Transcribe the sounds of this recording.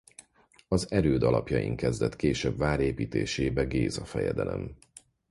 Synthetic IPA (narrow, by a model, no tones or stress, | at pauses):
ɒzɛɾøːd̪ɒlɒpjɒjḭŋkɛzd̪ɛt̪keːʃɛbvaːɾeːpiːt̪eːʃeːbɛɡeːzɒfɛjɛd̪ɛlɛm